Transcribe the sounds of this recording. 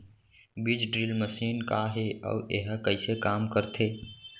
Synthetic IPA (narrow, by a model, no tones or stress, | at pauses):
bid͡ʒɖɾilməsiːnkaɦeɔ̰ːḛɦkəɪsekaːmkəɾt̪ʰeː